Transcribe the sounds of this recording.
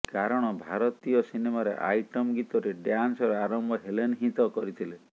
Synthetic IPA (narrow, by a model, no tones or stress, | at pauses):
kaɾɔɽ̃ɔbʱaɾɔt̪ijɔsinemaɾḛʔa̰jʈɔmɡit̪ɔɾeɖjansɔɾɔaɾɔmbʱɔɦelenɦit̪ɔkɔɾit̪ʰile